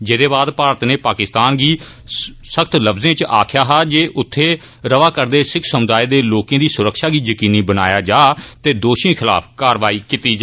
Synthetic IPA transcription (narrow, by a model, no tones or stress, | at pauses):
d͡ʒeːd̪eːbaːd̪paːɾət̪neːpaːkɪst̪aːnɡiː | səkt̪ləfzẽːt͡ʃa̰ːkʰɪjaːɦaːd͡ʒeːʔʊt̪ʰːeː | ɾəʋaːkəɾd̪eːsɪkʰsəmʊd̪aːeːd̪eːloːkẽːd̪iːsʊɾəkʃaːɡiːjəkiːniːbəna̰ːjaːd͡ʒaːt̪eːd̪oːʃĩːkʰɪla̰ːpʰkaːɾʋaːiːkit̪iːd͡ʒ